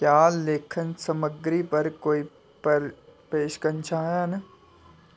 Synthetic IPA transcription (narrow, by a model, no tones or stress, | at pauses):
kjaːleːkʰənsɐməɡɾipɐɾkoːi | pɐɾpeːʃkəɾnt͡ʃʰaːjan